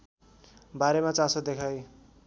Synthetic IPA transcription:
baɾemat͡sasʰʌd̪ekʰaj

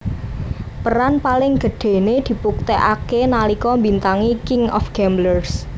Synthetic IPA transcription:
pəɾanpalɪŋɡ̥ə̤ɖ̥e̤ned̪̥i̤puk̚t̪eʔa̰kenalikɔmbint̪aŋikɪŋɔ̰fɡ̥ɛmblərs

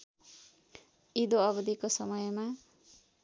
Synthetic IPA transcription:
id̪oʌbʌd̪ʱikosʌmʌjma

